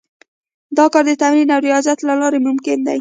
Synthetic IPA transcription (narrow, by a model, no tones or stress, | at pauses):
d̪ɑkɑɾd̪ət̪amɾinawɾijɑzat̪lalɑɾemʊmkɪnd̪a̰j